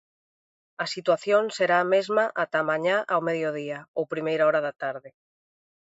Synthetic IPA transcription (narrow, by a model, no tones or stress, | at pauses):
ɐsit̪waθjonseɾaːmezmaʔat̪amãɲaʔawmeðjoðiaowpɾimejɾaɔɾaðat̪aɾðɪ